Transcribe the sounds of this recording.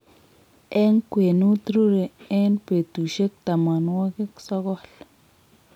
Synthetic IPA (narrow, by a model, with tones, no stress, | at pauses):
e˦ŋkʷe˨nu˦t̪ɾu˦ɾe˨e˦npe˨t̪u˨ʃe˦k̚t̪a˨ma˨nwa˦ɡe˦ksa˦ɡo˦l